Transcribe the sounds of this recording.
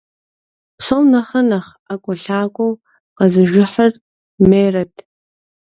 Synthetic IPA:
pʰsownaχɐnaχ | akʷʼʊɬaːkʷʼow | qɐzɨʒɪħər | meːrɐtʰʼ

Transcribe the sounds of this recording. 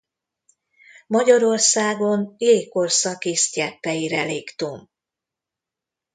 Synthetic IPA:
mɒɟɒɾo̞rsaːɡo̞neːko̞rsɒkeːst̪jɛpːɛjiɾɛleːkt̪um

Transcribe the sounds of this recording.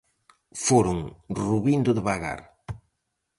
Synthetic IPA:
foɾʊŋruβind̪oðeβaɣa̰ɾ

